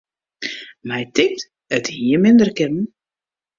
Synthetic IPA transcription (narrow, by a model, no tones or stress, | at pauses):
mɛjtɪk̚t | əthiəmɪndərkɪnən̩